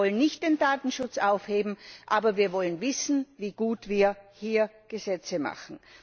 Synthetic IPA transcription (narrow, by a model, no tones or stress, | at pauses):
ɔlənnɪçt̚d̥eːndaːtn̩ʃʊt͡sʔaʊfheːbm̩ʔaːbɐviːɐvɔlənvɪsn̩viːɡ̥uːtv̥iːɐhiːɐ | ɡ̥əzɛt͡səma̰χn̩